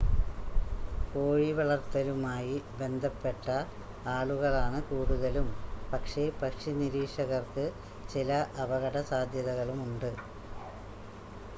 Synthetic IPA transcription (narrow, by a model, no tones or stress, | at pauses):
ko̞ːɻiʋɐɭɐrt̪ːɐlumaːjibe̞nd̪ʱɐpːe̞ʈːɐ | aːɭuɣɐɭaːɳɨkuːɽuðɐlumpɐkʂe̞pɐkʂiniɾiːʂɐɣɐrkɨ | t͡ɕilɐʔɐbɐɣɐɽɐsaːd̪ʱjɐðɐɣɐɭumuɳɖɨ